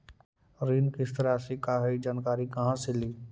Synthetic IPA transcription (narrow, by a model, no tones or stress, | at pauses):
ɾinkɪst̪əɾasekaɦeid͡ʒaːnkaːɾikɐɦãseliː